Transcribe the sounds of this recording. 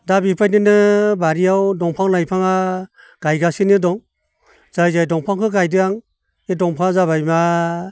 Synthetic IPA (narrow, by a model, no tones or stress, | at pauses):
dabipʰajnɯnɯbaɾijawdɔŋpʰaŋlajpʰaŋa | ɡ̥ajɡasinɯdɔŋ | z̥ajzajdɔŋpʰaŋkʰɯɡajdɯaŋ | edɔŋpʰaŋazaβajma